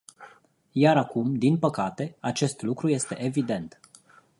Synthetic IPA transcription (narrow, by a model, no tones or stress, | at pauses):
jaɾakumd̪inpəkat̪e̞at͡ʃe̞st̪lukɾuje̞st̪e̞ʔevid̪e̞nt̪